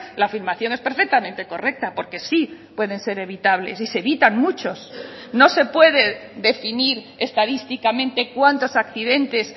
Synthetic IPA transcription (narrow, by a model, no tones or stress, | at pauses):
laːfiɾmaθjo̞ŋe̞spe̞ɾfek̚t̪amẽnt̪e̞ko̞rek̚t̪apo̞ɾke̞sipwe̞ðe̞nse̞ɾe̞β̞it̪aβ̞le̞̰sise̞βit̪aŋmut͡ʃo̞s | no̞se̞pwe̞ðe̞ðe̞finiɾ | est̪aðist̪ikamẽ̞nt̪e̞kwant̪o̞sakθiðe̞nt̪e̞s